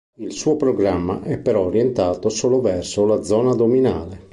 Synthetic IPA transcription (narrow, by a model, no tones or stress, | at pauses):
ilsuːopɾoɡɾamːa̰ʔɛpːeɾɔrjent̪aːt̪osoːlovɛrsolad̪zɔːnad̪omina̰ːle